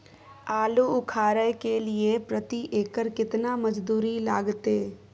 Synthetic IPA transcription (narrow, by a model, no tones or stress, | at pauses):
aːluʊkʰaːɾəjkeliepɾət̪iʔeːkəɾkɪt̪naməd͡ʒd̪uːɾilaːɡt̪eː